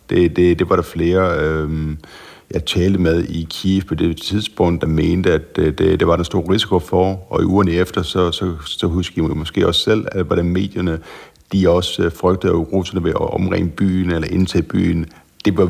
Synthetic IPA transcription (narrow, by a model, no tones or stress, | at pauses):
d̥ed̥e̝d̥e̝ʋɑ̈ɾ̥ɑ̈fle̝ːɐøm | jɑ̈ɪt͡sʰɛːld̥əmeð̞ˠikʰiefpʰɒ̽d̥e̝t͡sʰið̞ˠsb̥ɔ̽ŋ̰d̥ɑ̈meːnd̥əæd̥d̥ed̥e̝ʋɑ̈ɾ̥ensd̥o̝ːɐ̰ʁisi̥kʰo̝fɒɒ̽iʔuːɐnəefd̥ɐsɒ̽sɒ̽sɒ̽ɦusɡ̥imɒ̽sɡ̥e̝̰ːɒ̽sːel̰æʋɑɾ̥eme̝̰ːd̥jɐnə | d̥iɒ̽sfʁœɡ̥̚d̥əð̩ˠʁosɐnəʋeʔɒ̽mʁɛ̰ŋ̰əb̥y̰ːnelɐʔe̝nt͡sʰɛ̰ːb̥y̰ːn | d̥e̝ʋɑ